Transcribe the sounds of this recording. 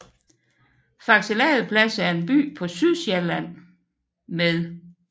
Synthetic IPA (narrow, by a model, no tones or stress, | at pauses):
fɑ̈ɡ̥selɛ̰ːð̩ˠpʰlæsæɐe̝nb̥y̰ːpʰɒ̽syðˠselæn̰ | meðˠ